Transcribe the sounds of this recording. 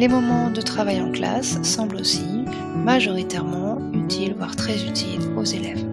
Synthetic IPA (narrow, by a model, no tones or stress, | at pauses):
lemɔmɑ̃d̪ət̪χavajɑ̃kla̰sːɑ̃blosi | maʒɔʁit̪ɛʁmɑ̃ | yt̪ʰilvwaʁt̪χɛzyt̪ʰilozelɛv